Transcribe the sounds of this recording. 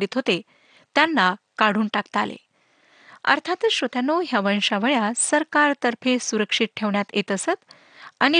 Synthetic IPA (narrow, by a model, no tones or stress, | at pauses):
ɖiːt̪ɦot̪e | t̪janːakaɽ̤uːnʈakt̪alḛ | ə̰ɾt̪ʰat̪ɕot̪janoɦjaʋəɳʂaʋəɭjasəɾkaɾt̪əɾfʰesuɾəkʂit̪̚ʈʰeʋɳjat̪jet̪əsət̪ | aɽ̃i